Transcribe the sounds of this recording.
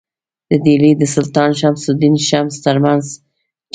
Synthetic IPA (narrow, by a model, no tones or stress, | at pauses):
d̪̥əd̪ilid̪əsʊlt̪ɑnʃamsʊd̪inʃamst̪əɾmanz